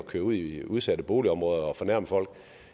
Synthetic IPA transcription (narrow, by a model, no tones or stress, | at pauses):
kʰøːɐuð̞̰ˠiuðˠsæd̥əb̥o̝ːliɒ̽mʁɔ̽ːð̞ˠɐɒ̽fɒ̽næɐ̰məfɒ̽l̰ɡ̥